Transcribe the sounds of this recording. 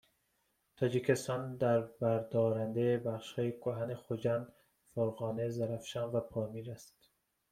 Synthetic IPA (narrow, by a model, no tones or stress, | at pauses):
t̪ʰɒːd͡ʒikʰest̪ɒnd̪æɾbæɾd̪ɒːɾænd̪ejbæχʃhɒːjekʰoɦænexod͡ʒænd̪ | foɾɣɒːnezæɾæfʃɒnvæpʰɒːmiːɾæst̪